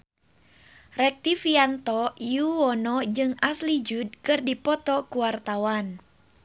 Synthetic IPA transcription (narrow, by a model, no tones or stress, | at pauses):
rɛk̚t̪ifiant̪ɔjuwɔnɔd͡ʒɨŋaslid͡ʒud̚kɨrdipɔt̪ɔkuwart̪awan